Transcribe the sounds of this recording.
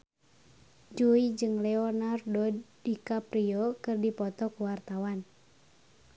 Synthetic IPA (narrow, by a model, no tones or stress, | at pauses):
d͡ʒuid͡ʒɨŋlɛɔnardɔdːikapɾiɔkɨrdipɔt̪ɔkuwart̪awan